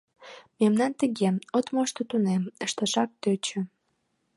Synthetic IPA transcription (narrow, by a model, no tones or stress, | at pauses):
memnɑnt̪əɣeot̪moʃt̪ot̪uneməʃt̪əʃɑk̚t̪øt͡ɕø̆